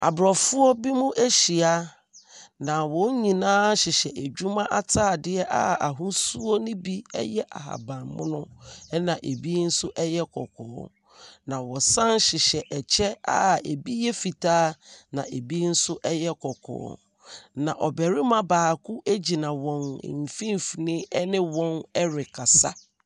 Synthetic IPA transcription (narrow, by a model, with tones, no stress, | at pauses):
a̰˨bɾɔ˨fʊ˦ɔ˦bi˦mʊ̃˦ʔæ˦ɕi˨a˦ | nã˨wɔ̃˨˦ɲ˦ɲĩ˨nãː˦ɕɪ˨ɕɛ˨ʔe˨d͡ʑᶣu˦mã˦ʔa˨tʰaː˦˨dɪ˦ɛ˦ʔa˦a˨ɦʊ̃˦su˦o˦nʊ̃˦bi˦ɛ̰˦jɛ˦ʔa̰˨ɦa̰˨bã˨mmʊ̰̃˦nʊ̃˦ɛ˦nã˨ʔe˨bi˦n̩˦sʊ˦ʔɛ˦jɛ˦kʰɔ˨kʰɔ̰ː˨˦ | nã˨wɔ˨sã˦n˦ɕɪ˨ɕɛ˨ʔɛ˨t͡ɕʰɛ˦a̰˦e˨bi˦jɛ˦fi˨tʰaː˦nã˨ʔe˨bi˦n̩˦sʊ˦ʔɛ˦jɛ˦kʰɔ˨kʰɔ̰ː˨˦ | nã˨ʔɔ˨bɛ˨ɾɪ˦mã˦baː˨kʰʊ˦ʔe˦d͡ʑi˨nã˨wɔ̃˨n̰˨m̩˨fĩ˦m˨fi˨nɪ̃˦ɛ˦nɪ̃˦wɔ̃˦nɛ˦ɾɪ˨kʰa˨sa˦